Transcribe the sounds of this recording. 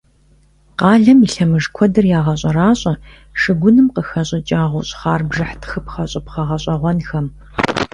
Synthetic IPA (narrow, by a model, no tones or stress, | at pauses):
qɑːɮɐmiɬɐmɨʐkʷʰɔdɐrjaːʁɐɕʼɐɾaːɕʼɐ | ʂɨɡʷʊnɨmqəxɐɕʼɐt͡ʃʼaːʁʷʊɕʼχaːrbʐɨħtʰxɨpχɐɕʼɐpχɐʁɐɕʼɐʁʷɔnxɐm